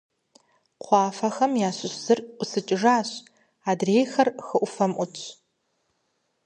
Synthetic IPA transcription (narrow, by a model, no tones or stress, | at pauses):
qʷʰɑːfɐxɐmjaːɕʊɕz̥ɨrʷʊsɨt͡ʃʼɪʐaːɕ | aːdrejxɐrxɨʔʷʊfɐmʔʷʊt͡ʃʷʰʼ